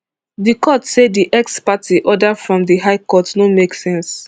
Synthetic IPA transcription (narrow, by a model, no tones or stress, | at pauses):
dikʰɔtsediʔɛkspatiʔɔdafɹɔ̃mdiɦaɪkɔtnomeksɛ̃ns